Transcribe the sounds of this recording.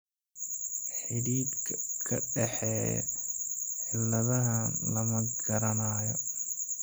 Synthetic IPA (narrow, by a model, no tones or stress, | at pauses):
ħɪdiːd̪ʰkʰɐɖɛħɛ̰ː | ħɪlːɐðɐɦɐlɐmɐɡɐɾɐnaːjɔ